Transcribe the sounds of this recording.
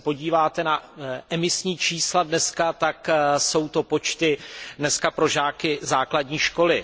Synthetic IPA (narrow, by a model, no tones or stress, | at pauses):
po̞ɟiːvaːt̪ɛnaʔɛmɪsɲiːt͡ʃiːsladnɛskat̪akso̞wt̪o̞po̞t͡ʃt̪ɪdnɛskapɾo̞ʒaːkɪzaːkladɲiːʃko̞lɪ